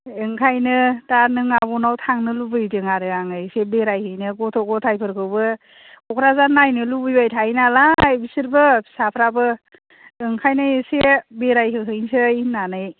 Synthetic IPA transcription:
ɯŋkʰajnɯtanɯŋabɔnawtʰaŋnɯlubɯjdɯŋaɾɯaŋɯjsebeɾajhɯjnɯɡɔtʰɔɡɔtʰajpʰɯɾkʰɯwbɯ | kɔkʰɾazanːajnɯlubɯjajtʰajnalajbisɯɾbɯ̥sapʰɾabɯ | ɯŋkʰajnajsebeɾajɦɯɦɯjnsɯjnanɯj

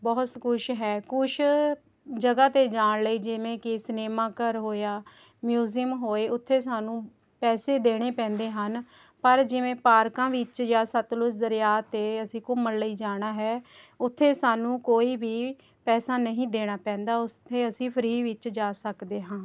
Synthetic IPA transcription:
bɔːt̪kʰʊʃɦɛːkʰʊʃ | d͡ʒəɡaːt̪eːd͡ʒaːɳləiːd͡ʒɪʋẽːkɪsneːmãːkəɾɦoːjaː | mjuːziəmɦoːeːʊt̪ʰːeːsaːnũː | pɛːseːd̪eːɽ̃eːpɛ̃ːnd̪eːɦən | pəɾd͡ʒɪʋẽːpaːɾkãːʋɪt͡ʃd͡ʒaːsət̪lʊs̬d̪əɾɪjaːt̪eːəsĩːkʊməɾləiːd͡ʒaːɽ̃aːɦɛːʊt̪ʰːeːsaːnũːkoːiːʋiː | pɛːsaːnəɦĩːd̪eːɽ̃aːpɛ̃ːnd̪aːʊst̪ʰːeːəsĩːpʰəɾiːʋɪt͡ʃd͡ʒaːsəkd̪eːɦãː

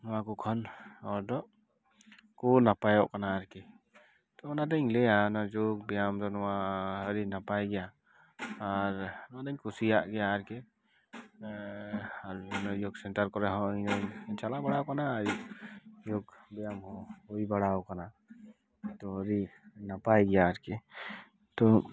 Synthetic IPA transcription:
nɔakukʰɔnɔɾdɔʔ | kunapajɔʔkanaːɾkɛ | t̪ɔnadəɲlɛjanad͡ʒok̚bɛjamdɔnɔwaəɾinapajɡɛjaː | ɾnadəɲkʰusijaʔɡɛjaːɾkɛ | aɾnajoksɛntəɾkɔɾɛɦɔinət͡ʃalabəɽawkanajojokbijamɦɔoibaɽawkana | t̪ɔəɾinapajɡɛjaːɾke | t̪ɔ

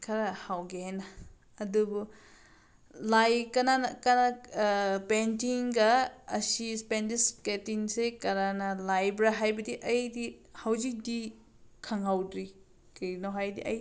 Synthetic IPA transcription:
kʰɐɾɐhawɡeenɐ | ɐdubu | lajkɐnankɐna | pentiŋɡɐːsispendisketiŋsekɐɾanɐlajbɾaɦajbɐdiʔɐjdihawzik̚di | kʰɐŋhawdɾi | kinoɦajdiʔɐj

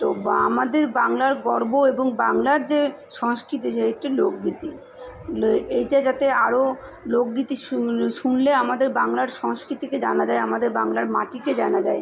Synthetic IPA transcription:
t̪oa̰mad̪eɾbaŋlaɾɡɔɾboeboŋbaŋlaɾd͡ʑeʃɔŋskɾit̪̬iʃeek̚ʈiloɡɡit̪i | ejʈad͡ʑat̪eaɾoloɡɡit̪iʃuʃunleamad̪eɾbaŋlaɾʃɔŋskɾit̪iked͡ʑanad͡ʑaeamad̪eɾbaŋlaɾma̰ʈiked͡ʑanad͡ʑae

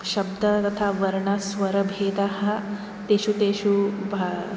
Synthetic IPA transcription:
ʃɐbd̪ɐt̪ɐt̪ʰaʋɐɾɳɐsʋɐɾɐbʱeːd̪ɐɦɐ̆ | t̪eːʃut̪eːʃubʱɐ

